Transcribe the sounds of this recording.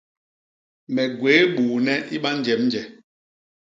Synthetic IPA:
mɛ˨ɡweː˨˦ɓuː˨nɛ˦ʔi˦ɓa˦n̩˦d͡ʒɛ˨mn̩˦d͡ʒɛ˨

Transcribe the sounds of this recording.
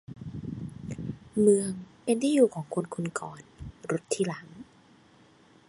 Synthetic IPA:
mɯ˧əŋpe˧nt̪ʰiː˥˩juː˨˩kʰɔː˩˦ŋkʰo˧nkʰu˧nkɔː˨˩nɾo˦˥t̪ʰːiː˧˩˨la˩˦ŋ

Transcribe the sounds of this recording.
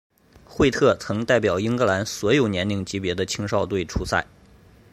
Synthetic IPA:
xwe˥˧ɪt̪ʰɤ˥˩t͡sʰɤ˧˥ŋt̪a˥˩ɪpjɑ˨˩ʊi˥ŋkɤ˧˥la˧˥nswɔ˧˥jo˨˩ʊnjɛ˧˥nli˥˩ŋt͡ɕi˧˥pjɛ˧˥d̪ə˧t͡ɕʰi˥ŋʂɑ˥˧ʊt̪̬we˥˩ɪʈ͡ʂʰu˧˥sa̰˥˩ɪ

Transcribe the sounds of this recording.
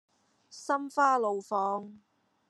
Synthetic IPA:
sɐ˥mfaː˥lo˨wfɔː˨˧ŋ

